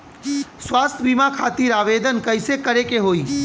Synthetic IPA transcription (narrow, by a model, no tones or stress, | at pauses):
swaːst̪ʰbimakʰaːt̪iːɾaːʋeːd̪ənkəɪsekəɾekeɦoːiː